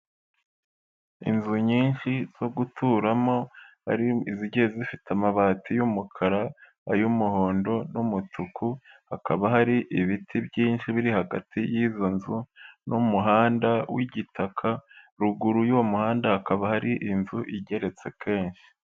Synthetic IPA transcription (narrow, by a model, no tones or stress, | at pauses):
ḭnzuɲiːnʃiz̥o̞ɡutʰuːɾamo̞ha̰ɾiiziɟezifitamaβaːtʰijumukʰaɾa | a̰jumuho̞ːndo̞numutʰukuhakʰaβaɦaɾiʔiβitʰibɟiːnʃiβiɾihaɡa̰tʰijizo̞nzunʔumuɦaːndawiɟitʰakʰa | ɾuɡuɾujuwamuhaːndahakaβahaɾiʔinzuʔiɟe̞ɾe̞t͡se̞kʰe̞ːnʃi̥